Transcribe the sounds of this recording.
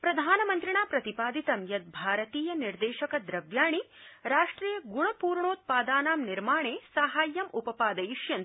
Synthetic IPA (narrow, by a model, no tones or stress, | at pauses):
pɾɐd̪ʱaːnɐmɐnt̪ɾiɳaːpɾɐt̪ipaːd̪it̪ɐmjɐt̪̚bʱaːɾɐt̪iːjɐniɾd̪eːʃɐkɐd̪ɾɐʋjaːɳi | ɾaːʂʈɾiːjɐɡuɳɐpuːɾɳoːt̪̚paːd̪aːnaːmniɾmaːɳeːsaːɦaːjːɐmupɐpaːd̪ɐjiʃjɐn